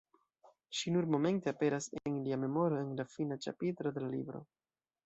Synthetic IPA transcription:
ʃinuɾmo̞me̞nteape̞ɾasenliame̞mo̞ɾo̞e̞nlafinat͡ʃa̰pitɾo̞d̪e̞lalḭbɾo̞̰

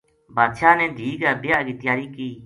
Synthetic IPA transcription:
bʱaːd̪ʃaːnɛ̃ːd̪ʱiːɡaːbɪjaːʔɡɪt̪ɪjaːɾiːkiː

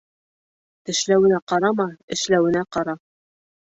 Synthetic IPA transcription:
t̪ɘ̆ʃlæwɘ̆næqɑɾɑmɑɘ̆ʃlæwɘ̆næqɑɾɑ

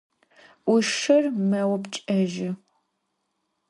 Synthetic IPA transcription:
ʊʂɐrmɐwɐbt͡ʃʼɐʒɪ

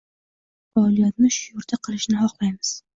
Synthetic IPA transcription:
falˠijat̪nɪʃʊjʊɾd̪aqʰɨlɪʃnɪɦɒqlajmɪz̥

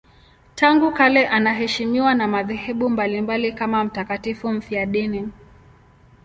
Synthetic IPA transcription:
taŋɡukalɛʔanaɦɛʃimiwanamaðɛhɛɓumbalimbalikamam̩takatifum̩fiaɗini

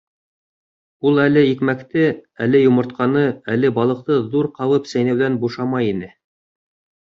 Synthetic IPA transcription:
ulˠælɘikmækt̪ɘælɘjŏmɤ̆ɾt̪̚qɑnɤælɘbɑlˠɤ̆q̚t̪ɤðuɾqɑβɤpsæjnæwðænbuʃɑmɑjinɘ

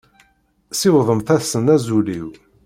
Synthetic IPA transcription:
sɪwðˤəmθæsənæzuliw

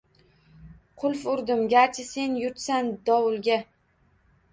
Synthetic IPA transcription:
qʰʊlˠfʊɾd̪ɪmɡʲaɾt͡ʃʰɪse̞njʊɾt̪sand̪ɒwʊlˠɡʲa

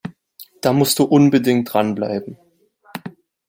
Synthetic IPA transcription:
d̥aːmʊstd̥uːʔʊnbədɪŋt̚d̥ʁanbla̰ɪbm̩

